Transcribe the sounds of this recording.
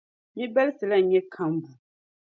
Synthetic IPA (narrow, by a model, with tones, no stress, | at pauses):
ɲi˦bɛ˦lsɨ˨la˦˨ɲɛ˦kʰa˨˦m˦bu˨